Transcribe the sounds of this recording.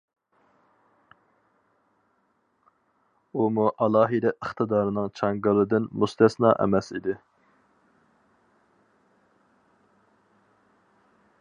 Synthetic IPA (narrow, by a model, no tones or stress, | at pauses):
umuʔɑlˠɑːɦid̪ɛʔəχt̪ʰɨd̪ɑːɾɨnɨŋt͡ʃʰɑŋɡɨlˠɨd̪ɪnmust̪ʰɛsnɑ̰ːʔɛ̰mɛsḭd̪ɪ